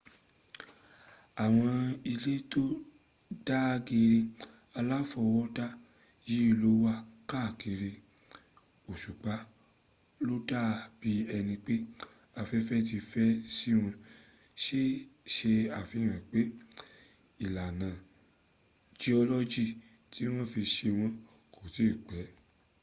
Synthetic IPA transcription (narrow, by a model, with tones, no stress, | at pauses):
a˨w̃ɔ̃˧i˧le˦to˦ | da˦ɡe˧ɾe˧ | a˧la˦fɔ˧wɔ˦ta˦ | ji˦i˦˧lo˦wa˦ka˦˨ke˧ɾe˧ | o˨ʃu˨k͡pa˨˦ | lo˦da˦˨˧b̥i˦ɛ˧nĩ˧k͡pe˦ | a˧fɛ˧˦fɛ˦t̬i˧fɛ˦si˦w̃ɔ̃˧ | ʃe˦ʃe˧a˨fi˨˦ɾ̃ã˨k͡pe˨˦ | i˨la˨nã˨ | d͡ʒi˦ɔ˧lɔ˦d͡ʒi˦˨ | ti˨˦w̃ɔ̃˦fi˧ʃe˧w̃ɔ̃˧ | ko˨ti˨˦˨k͡pɛ˨˦